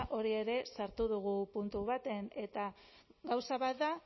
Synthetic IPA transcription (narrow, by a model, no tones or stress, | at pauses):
ʔo̞ɾie̞ɾe̞saɾt̪uð̞uɣ̞upunt̪uβ̞at̪e̞ne̞t̪a | ɣawsaβat̪̚d̪a